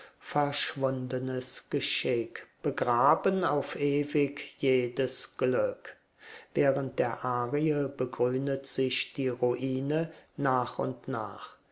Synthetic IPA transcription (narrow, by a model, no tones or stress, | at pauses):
fɛɐʃv̥ʊndənəsɡ̥əʃɪkb̥əɡʁaːbənaʊfʔeːvɪkjeːdəsɡ̥lʏk | vɛːʁənt̚d̥eːɐʔaːʁiəbəɡʁyːndətz̥ɪçd̥iːʁuʔiːnənaːχʊ̰ntna̰ːχ